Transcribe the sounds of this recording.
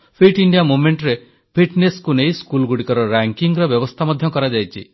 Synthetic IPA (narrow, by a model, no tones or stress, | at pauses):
pʰiʈiɳɖijamumeɳʈɾe | pʰiʈneskunejskulɡuɽikɔɾɔɾaŋkiŋɾɔbjɔbɔst̪ʰamad̪ʱjɔkɔɾad͡ʒajt͡ʃʰḭ